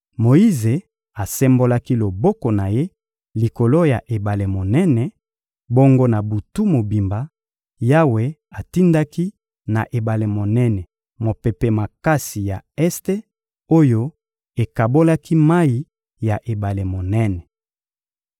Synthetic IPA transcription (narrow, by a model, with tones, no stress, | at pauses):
mo˨i˦ze˨ | a˨sɛ˦mbo˦la˦ki˦lo˨bɔ˦kɔ˨na˨je˦ | li˨ko˨lo˦ja˨ʔe˨ba˨le˨mo˨nɛ˦nɛ˨ | bo˦ŋɡo˦na˨bu˨tu˦mo˨bi˨mba˨ | ja˦we˨a˨ti˦nda˦ki˦ | na̰˨ʔe˨ba˨le˨mo˨nɛ˦nɛ˨ | mo˨pe˨pɛ˦ma˨ka˦si˨ja˨ɛ˦ste˦ | o˦jo˦ | e˨ka˨bo˦la˦ki˦ma˦i˨ | ja˨ʔe˨ba˨le˨mo˨nɛ˦nɛ˨